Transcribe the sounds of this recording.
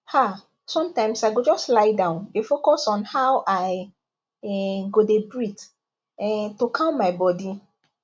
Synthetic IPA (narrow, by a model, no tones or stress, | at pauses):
ha | sɔ̃mtãɪ̃msaɪɡod͡ʒɔstlaɪdãʊ̃ndefokɔsɔ̃nhaʊʔaɪ | ɛɡodebɹit | ɛtokʰãʊnmaɪbɔdi